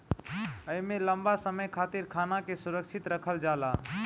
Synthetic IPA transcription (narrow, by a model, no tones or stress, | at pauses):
əjmẽləmbasəməjkʰaːt̪iɾkʰaːnakesuɾəkʃʰit̪ɾəkʰəld͡ʒaːla